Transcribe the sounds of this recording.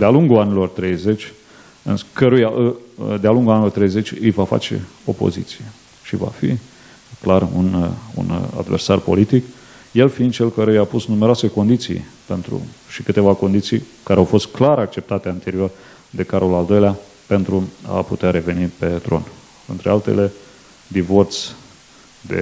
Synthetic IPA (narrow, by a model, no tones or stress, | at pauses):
d̪ealuŋɡuanilo̞rt̪ɾe̞jze̞t͡ʃʲ | ɨ̰nskəɾujaʔɨd̪ealuŋɡulanilo̞rt̪ɾejze̞t͡ʃʲɨjvafa̰t͡ʃe̞̰o̞̰po̞̰zḭt̪sije | ʃiva̰fḭ | klarṵnṵna̰d̪versarpo̞lit̪ik | je̞lfiɨnd̪t͡ʃe̞lkəɾujapusnumeɾoase̞ko̞nd̪it̪sḭjpe̞nt̪ɾṵʃikɨt̪e̞vako̞nd̪it̪sijkaɾeawfo̞st̪̚klaɾak̚t͡ʃe̞p̚t̪at̪eant̪e̞ɾio̞r | d̪e̞kaɾolald̪o̞jlea | pe̞nt̪ɾua̰put̪eaɾe̞ve̞nipe̞t̪ɾo̞̰n | ɨnt̪ɾealt̪e̞̰le̞ | d̪ivo̞rt̪s | d̪ḛ